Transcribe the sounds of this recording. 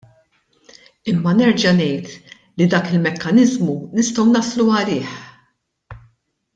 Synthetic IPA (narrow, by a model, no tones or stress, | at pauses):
ɪmːɐnɛɾd͡ʒɐnɛjt̪ | lid̪ɐːkɪlmɛkːɐnɪzmunɪst̪ɔwnɐsluɐlɪːħ